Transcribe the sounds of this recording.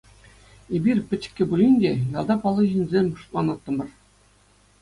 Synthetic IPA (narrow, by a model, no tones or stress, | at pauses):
ebʲirʲpʲɘ̆t͡ɕɘ̥̆kʲːɘ̆bulʲinʲdʲejɑlˠd̪ɑpɑlˠːɤ̆ʑinʲzʲemʲʂu̥t̪̚lˠɑnɑt̪ːɤ̆mɤ̆r